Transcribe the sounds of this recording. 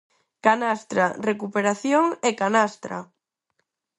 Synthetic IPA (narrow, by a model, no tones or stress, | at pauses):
kanast̪ɾarekupeɾaθjoŋekanast̪ɾa̰